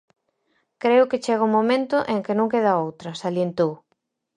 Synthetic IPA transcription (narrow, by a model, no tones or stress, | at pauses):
kɾeʊkɪt͡ʃeɣ̞aʊmõmẽnt̪ʊʔeŋkɪnõŋkeðɐowt̪ɾɐsaljent̪ow